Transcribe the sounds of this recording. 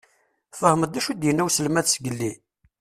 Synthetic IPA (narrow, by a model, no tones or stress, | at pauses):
fəhməd̪æʃud̪jənːæwsəlmæθsɡəlːi